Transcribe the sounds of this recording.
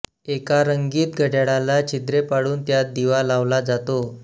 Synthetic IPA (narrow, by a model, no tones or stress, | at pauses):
ekaɾəŋɡiːt̪̚ɡʱəʈaɽãlat͡ɕʰid̪ɾepaɽuːnt̪jad̪iʋalaʋlad͡zat̪o